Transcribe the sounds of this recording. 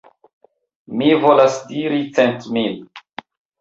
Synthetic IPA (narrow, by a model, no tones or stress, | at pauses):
mivo̞lasdiɾit͡sentmil